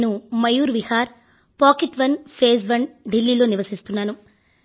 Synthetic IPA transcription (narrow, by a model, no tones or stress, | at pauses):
numɐjuːɾʋihaːɾ | paːkeʈʋɐnpʰe̞ːzʋɐnɖilːiːlo̞ːniʋɐsist̪unːaːnu